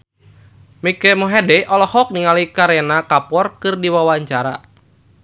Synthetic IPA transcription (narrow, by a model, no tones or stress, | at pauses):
mikɛmɔɦɛdɛʔɔlɔhɔk̚niŋalikaɾɛnakapɔrkɨrdiwawaɲt͡ʃaɾa